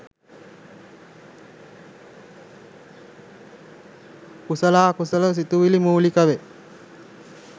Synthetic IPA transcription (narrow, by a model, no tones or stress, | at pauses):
kusəlaːkusələs̬it̪uʋilimuːlikəʋe